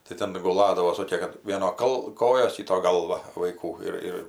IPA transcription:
tɐɪ ˈtʲɛn ɡʊˈlˠɑːdɐʋoː ˈsoːkʲeː ˈʋʲiɛnoː ˈkɐlˠ ˈkoːjoːs ˈkʲiːtoː ˈɡɐlˠʋɐ ʋɐɪˈkuː ɪr ˈɪr

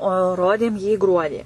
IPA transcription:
oː ˈroːdʲeːm jiː ˈɡruɔdʲiː

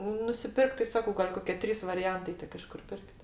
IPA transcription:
nʊsʲɪˈpʲɪrkt tɐɪ ˈsɑːkoː ɡɐlʲ ˈkoːkʲɛ ˈtʲrʲiːs ʋɐrʲɪˈjɛntɐɪ ˈtʲɪk ɪʃ ˈkʊr ˈpʲɪrʲkʲtʲ

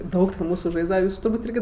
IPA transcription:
ˈdɐʊk tʲɛn ˈmuːsʊ ˈʒɐɪzdɐʋɐ ˈjuːsʊ tʊrˈbuːtʲ ˈɪrʲɡʲɪ

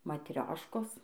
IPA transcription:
mɐtʲˈrʲoːʃkoːs

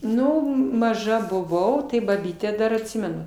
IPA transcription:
ˈnʊ mɐˈʒɐ bʊˈʋɐʊ tɐɪ bɐˈbʲiːtʲæː ˈdɐr ɐtʲˈsʲɪmʲɛnʊ

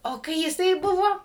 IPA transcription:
oː ˈkɐɪ jɪˈsɐɪ ˈbʊʋoː

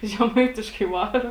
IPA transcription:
ʒʲɛˈmɐɪtʲɪʃkɐɪ ˈʋɑːrɐ

